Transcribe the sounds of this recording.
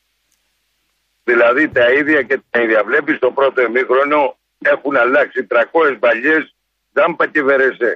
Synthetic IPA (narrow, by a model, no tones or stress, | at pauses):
ðilɐðit̪ɐiðʝɐcet̪ɐiðʝɐvle̞pist̪o̞pɾo̞t̪o̞emixɾo̞no̞ | e̞xunɐlɐksit̪ɾɐko̞sezbɐʎes | ðɐmpɐc̪eveɾese